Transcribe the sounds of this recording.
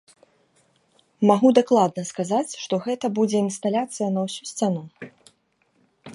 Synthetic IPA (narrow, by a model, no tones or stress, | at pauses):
maɣud̪aklˠad̪̚nɐskazat͡sʲʂt̪ɔɣɛt̪ɐbud͡zʲɛinst̪alʲat̪sɨjɐnɐwsʲusʲt͡sʲanu